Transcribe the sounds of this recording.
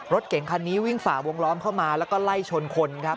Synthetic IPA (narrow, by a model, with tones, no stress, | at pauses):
ɾo˦˥t̪̚ke˨˩˦ŋkʰa˧nːiː˦˥wi˥˩ŋfaː˩˦wo˧ŋlɔː˦˥mkʰa˥˩wmaː˧lɛ˦˥wkɔː˥˩la˥˩jt͡ɕʰo˧nkʰo˧nkʰa˦˥p̚